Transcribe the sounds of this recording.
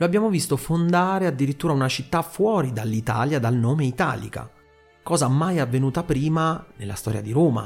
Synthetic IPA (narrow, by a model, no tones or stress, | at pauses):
loabːjaːmovist̪ofond̪aːɾead̪ːiɾit̪ːuːɾaunat͡ʃit̪ːafwɔːɾid̪alːit̪a̰ːljad̪alnoːmeit̪a̰ːlḭka̰ | kɔːzaamːajavːenuːt̪apɾiːmanelːa̰st̪ɔ̰ːɾja̰d̪iɾoːma̰